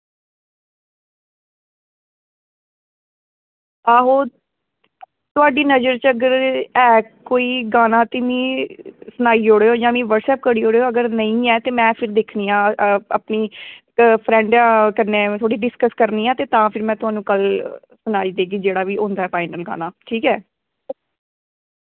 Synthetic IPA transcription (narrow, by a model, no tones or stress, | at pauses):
aːɦoː | t̪ʊaːɖiːnəd͡ʒəɾt͡ʃəɡəɾɛːkoːiːɡaːnãːt̪ɪmĩːsʊnaːiːoːɽeːoːd͡ʒãːmĩːʋəɖsɛːp̚kəɽiːɦoːɽeːoːəɡəɾnəĩːɛːt̪eːmɛ̃ːpʰɪɾd̪eːkʰniːãːə̰pniː | pʰɾɛ̃ːɳɖakəneːt̪ʰoːɽiːɖɪskəskəɾniːaːt̪eːt̪ãːpʰɪɾmɛ̃ːt̪ʊɦaːnũːkəl | sʊnaːiːd̪eːɡiːd͡ʒeːɽaːʋiːõːnd̪aːɛːpʰaːɪnəlɡa̰ːnaːʈʰiːkɛː